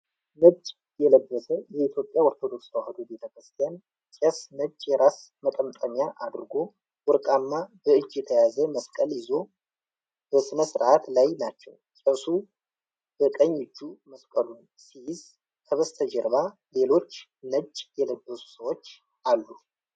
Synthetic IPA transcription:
nəd͡ʒː | jɛləbːəsəjɛit̪ʰjo̞pʼjaoɾt̪ʰo̞d̪o̞ksawhad̪ube̞t̪ʰəkɾɨst̪ʰijan | t͡ʃʼɛsnəd͡ʒjɛɾas | mət̪ʼəmt̪ʼəɲjaʔad̪ɾɨɡo̞ | wʊɾkʼamːab̥əɨd͡ʒjɛt̪ʰəjazəməskʼəljɪzo̞ | b̥əsɨnəsɾʔat̪lajnat͡ʃːɛ̰w | sʼəsu | b̥əkʼəɲːɨd͡ʒːuməskʼəlun | sijɪz | kʰəβəst̪ʰəd͡ʒɛɾβa | le̞lo̞t͡ʃːnəd͡ʒjɛləbːəsu̥səwot͡ʃː | ʔalːu

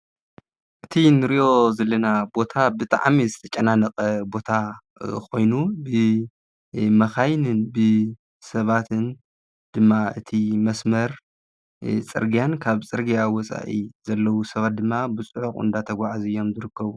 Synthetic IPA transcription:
ʔɨt̪ʰinɨɾiʔo̞zɐlːɐnabo̞t̪ʰabɨt̪ʼa̰ʕmizɨt̪ʰɐt͡ʃʼːɐnanɐqʼɐbo̞t̪ʰa | kʰo̞jnubɨ | mɐxajnɨnbɨ | sɐβat̪ʰɨn | d̪̥ɨmːaɨ̰t̪ʰimɐsmɐɾ | t͡sʼɨ̰ɾɡijankʰaβt͡sʼɨɾɡijawɔt͡sʼa̰ʔizɐlːɐwusɐβat̪̚d̪ɨmːabɨt͡sʼɨʕuxɨ̰nd̪at̪ʰɐɡʷaʕazɨjːo̞mzɨɾɨkːɐβu

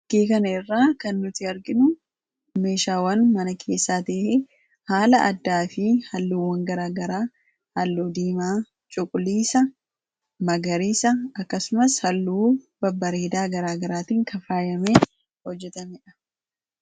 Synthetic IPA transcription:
ɡeːkɐnɐɪrːaːkɐnːʊt̪ɪɐɾɡɪnʊ | me̞ːʃaːwɐnmɐnɐkʰe̞ːsːaːt̪eːʔɛ | haːlɐʔɐ̰d̪ːaːfɪhɐlːuːwɐŋɡɐɾaːɡɐɾaː | hɐlːuːd̪iːmaː | t͡ʃʼʊkʼʊliːsɐ | mɐɡɐɾiːsɐːkːɐsʊmɐshɐlːuːb̥ɐbːɐɾe̞ːd̪aːɡɐɾaːɡɐɾaːt̪iːŋkɐfaːjɐmeː | hɔd͡ʒːɛt̪ɐmɛᶑɐ̥

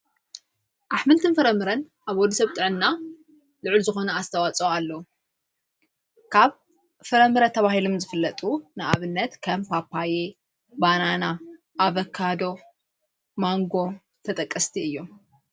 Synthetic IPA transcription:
ʔaħmɨlt̪ʰɨnfɐɾɐmɨɾɐn | ʔaβwɔd̪ɐsɐβt̪ʼɨʕɨnːa | lɨʕɨlzɨxo̞nɐast̪ʰɐwat͡sʼoalːɐwu | kʰaβ | fɐɾɐmɨɾɐt̪ʰɐβahilomzɨfɨlːɐt̪ʼunɨʔa̰βɨnːɐt̪kʰɐmpʰapʰːaje | banana | ʔːβɐkʰːad̪o̞ | maŋɡo̞ | t̪ʰɐt̪ʼɐkʼːɐst̪ʰiɨjːo̞m

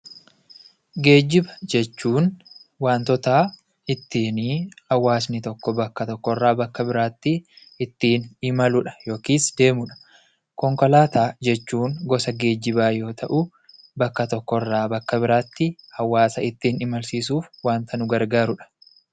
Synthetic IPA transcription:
ɡe̞ːd͡ʒːɪbɐd͡ʒɛt͡ʃːuːnwaːnt̪ɔt̪aː | ɪt̪ːiːniːhɐwːaːsnɪt̪ɔkːɔbɐkːɐt̪ɔkːɔrːaːbɐkːɐbɪɾaːt̪ːɪ | ɪt̪ːiːnɪmɐlʊᶑɐ̥jo̞ːkiːsd̪e̞ːmʊᶑɐ̥ | kɔŋkɔlaːt̪aːd͡ʒɛt͡ʃːuːnɡɔsɐɡe̞ːd͡ʒːɪbaːjo̞ːt̪ʰɐʔʊ | bɐkːɐt̪ɔkːɔrːaːbɐkːɐbɪɾaːt̪ːɪhɐwːaːsɐɪt̪ːiːnɪmɐlsiːs̬uːfwaːnt̪ɐnʊɡɐɾɡaːɾʊᶑɐ̥

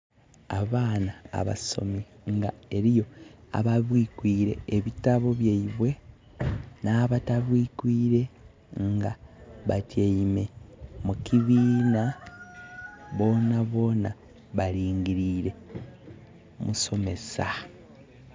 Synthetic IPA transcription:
a̰βaːna̰ːβa̰so̞̰mi | ŋɡae̞ɾijo̞a̰βaβwiːkwiːɾe̞̰ːβitaβo̞βjaiβwe̞ | naːβataβwiːkwiːɾe̞ | ŋɡaβatjaime̞mukiβiːna | βo̞ːnaβo̞ːna | βaɾiːŋɡiɾiːɾe̞ | mṵso̞me̞sa

